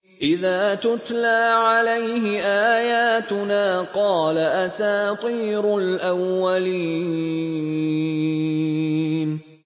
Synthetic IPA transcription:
ʔɪðaːt̪ʊt̪laːʕalajɦɪʔaːjaːt̪ʊnaːqɑːlaʔasaːt̪ˤiːɾʊlʔawːaliː | n

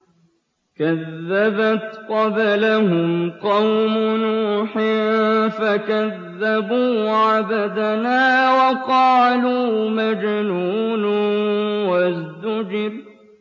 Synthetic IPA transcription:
kaðːabat̪qɑblahʊmqɑwmʊnuːħɪfakaðːabuːʕabad̪anaːwɑqɑːluːmad͡ʒnuːn | wazd̪ʊd͡ʒɪɾ

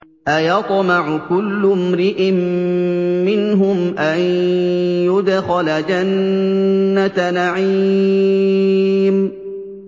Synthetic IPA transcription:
ʔajɑt̪ˤmɑʕʊkʊlːʊmɾɪʔɪmː | ɪnɦʊmʔan | jʊd̪xalad͡ʒanː | at̪naʕi | m

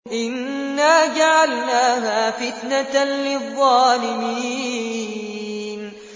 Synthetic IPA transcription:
ʔɪnː | aːd͡ʒaʕalnaːɦaːfɪt̪nalɪðˤːɑːlɪmiː | n

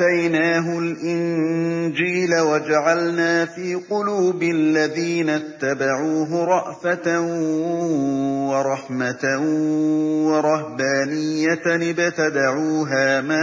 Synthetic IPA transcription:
ajnaːɦʊlʔɪnd͡ʒiːlawad͡ʒaʕalnaːfiːqʊluːbɪllːaðiːnat̪ːabaʕuːɦʊɾˤɑʔfat̪a | wɑɾˤɑħmat̪a | wɑɾˤɑhbaːnɪjːat̪bat̪ad̪aʕuːɦaːma

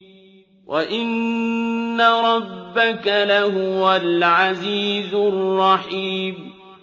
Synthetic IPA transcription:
wʔaʔɪnː | aɾˤɑbːakalahʊwalʕaziːzʊrːɑħiːm

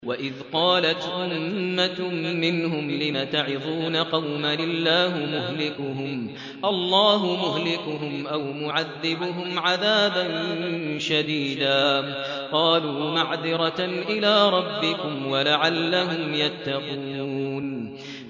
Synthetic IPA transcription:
waʔɪðqɑːlat̪ʔʊmːamɪnɦʊmlɪmat̪aʕɪðˤuːnaqɑwmalɪlːaːɦɪmʊɦlɪkʊɦʊm | ʔɑlˤːɑːɦʊmʊɦlɪkʊɦʊmʔawmʊʕaðːɪbʊɦʊmʕaðaːbanʃad̪iːd̪aː | qɑːluːmaʕðɪɾˤɑʔɪlaːɾˤɑbːɪkʊmwalaʕalːaɦʊmjat̪ːɑquːn

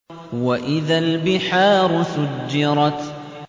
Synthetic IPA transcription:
waʔɪðalbɪħaːɾˤʊsʊd͡ʒːɪɾˤɑt̪

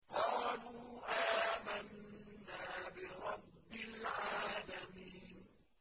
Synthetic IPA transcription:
qɑːluːʔaːmanːaːbɪɾˤɑbːɪlʕaːlamiːn

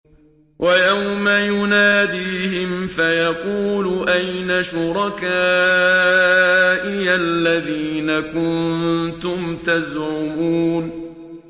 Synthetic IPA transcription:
wʔajawmajʊnaːd̪iːhɪmfajɑquːlʊʔajnaʃʊɾˤɑkaː | ʔɪjalːaðiːnakʊnt̪ʊmt̪azʕʊmuːn

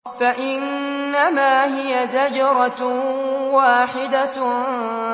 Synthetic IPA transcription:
faʔɪnːamaːɦɪjazad͡ʒɑɾˤɑ | waːħɪd̪a

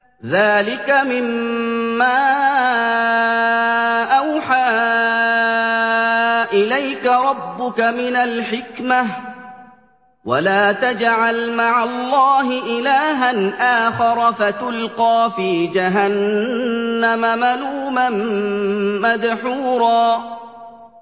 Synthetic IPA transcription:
ðaːlɪkamɪmː | aː | ʔawħaː | ʔɪlajkaɾˤɑbːʊkamɪnalħɪkmah | walaːt̪ad͡ʒʕalmaʕalˤːɑːɦɪʔɪlaːɦanʔaːxɑɾˤɑfat̪ʊlqɑːfiːd͡ʒaɦanː | amamaluːmamː | ad̪ħuːɾˤɑː

